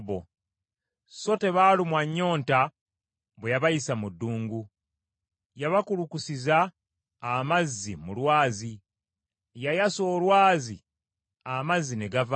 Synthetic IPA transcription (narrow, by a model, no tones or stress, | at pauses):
βo̰ | so̞te̞βaːlimwaɲːo̞ːnta | βwejaβajisamudːuːŋɡu | jaβakulukusizaː | mazːimulwaːzi | jajaso̞ːlwaːzi | amazːineɡav